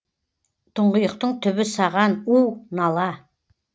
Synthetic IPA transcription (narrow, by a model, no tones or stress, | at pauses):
t̪ʰʊɴʁəjəq̚t̪əɴt̪ʰʏβɪsɑʁɑnuwnɑlˠɑ